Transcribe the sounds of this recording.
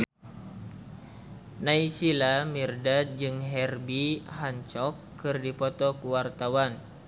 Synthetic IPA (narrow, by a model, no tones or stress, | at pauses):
naisilamirdad͡ʒɨŋɦɛrbiɦaɲt͡ʃɔkːɨrdipɔt̪ɔkuwart̪awan